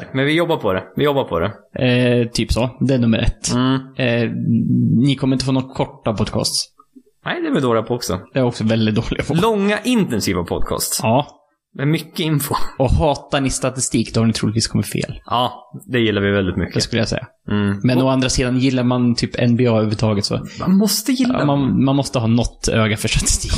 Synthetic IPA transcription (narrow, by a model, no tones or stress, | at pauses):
mɛnvɪjɔbːaɾpʰɔd̪ɛvɪjɔbːaɾpʰɔd̪ɛ | t̪ʰyːpsɔd̪ɛæɳɵmːəɾʔɛ̰t̪ː | nɪkʰɔmːəɾɪnt̪əfoːnɔt̪ːkʰɔʈːapʰɔd̪kʰɑ̰ːst̪s | nɛɪd̪ɛvɪd̪oːɭɪɡapʰɔɔksɔ̰d̪ɛæɾɔksɔvɛld̪ɪt̪̚d̪oːlɪ̰ɡapʰɔllɔŋːaʔɪnt̪ɛnsiːvapʰɔ̰d̪̚kʰɑ̰ːst̪sɑː | mɛnmʏkːəɪnfʊɔhɑːt̪aɳɪst̪at̪ɪst̪iːkd̪ɔhaɳɪt̪ʰɾuːlt̪viːskʰɔmːɪt̪fḛːlʔɑːd̪ɛjɪlːaɾvɪvɛld̪ɪt̪mʏkdːd̪ɛskɵləjasɛ̰jːa | mɛnɔand̪ɾasiːd̪anjɪlːaɾmant̪ʰyːpʰɛ̰nbɪɑːøːɾʉt̪ʰɑːɡət̪sɔ̰manmɔst̪əjɪlːamanmanmɔst̪əɦɑːnɔt̪ːøːɡafœʂʈat̪ɪ̥st̪iːk